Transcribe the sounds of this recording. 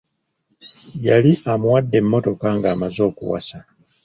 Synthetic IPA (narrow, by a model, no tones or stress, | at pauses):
jaliʔamwadːe̞mːo̞to̞kaŋɡaːmazo̞ːkṵwa̰sa